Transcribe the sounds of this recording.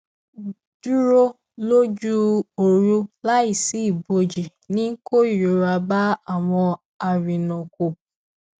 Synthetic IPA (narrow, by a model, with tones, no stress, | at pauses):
du˦ɾo˦ | lo˦d͡ʒu˦o˨ɾu˦la˦i˨si˦˨bo˨d͡ʒi˨ | nĩ˦ŋ̩˦ko˦i˨ɾo˨˦ɾa˨ba˦a˨wɔ̃˧ | a˨ɾi˨nɔ̃˨ko˨